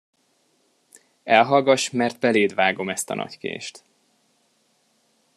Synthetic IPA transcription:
ɛlɦɒlɡɒʃmɛrt̪bɛleːd̪vaːɡo̞mɛst̪ɒ̰nɒ̰ckḛːʃt̪

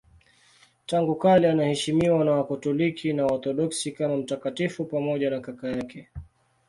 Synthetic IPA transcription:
taŋɡukalianahɛʃimiwanawakɔtɔlikʰinaɔt̪ɔɗɔksikamam̩takatifupamɔʄanakakajakɛ

